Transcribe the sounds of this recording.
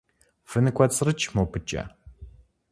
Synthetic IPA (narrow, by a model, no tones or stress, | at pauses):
fɨnɨkʷʰʼɐt͡sʼɨrɨt͡ʃʰʼmɐwpʰɨt͡ʃʼɐ̰